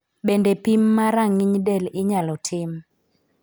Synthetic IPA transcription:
bendɛpimːaɾaŋiɲdɛlɪɲalɔtʰɪm

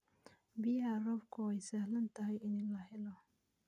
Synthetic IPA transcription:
bɪjɐrɔbkʰʊɛjsɐhlɐnt̪ʰɐɦɛjɪnɪnlɐɦɛlɔ

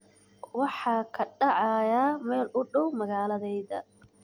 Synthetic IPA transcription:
wɑħɑːkʰɐɖɑʕɑjaːmɛːlʊɖɐwmɐɣaːlɐðɛjðɐ̰

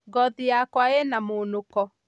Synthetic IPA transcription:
ɡɔðijakwaenamonokɔ

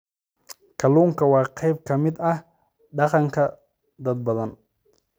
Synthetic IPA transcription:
kʰɐluːŋkʰɐwɑːqɛjb̚kʰɐmɪd̪ɐh | ɖɑqɑŋkʰɐ | d̪ɐd̪̚bɐðɐn

